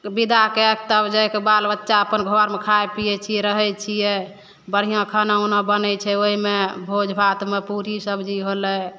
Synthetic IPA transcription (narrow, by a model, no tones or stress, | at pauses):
bid̪ʱakeɛk̚t̪əbd͡ʒɛkebalbətːʃaəpənɡʱoaɾmekʰaepijɛt͡ʃʰiɛɾəɦɛt͡ʃʰijɛ | bəɽ̤ijãkʰənaunɔbənɛt͡ʃʰɛoɦimebʱod͡ʒbʱat̪mepuɾisəbd͡ʒiɦolɛ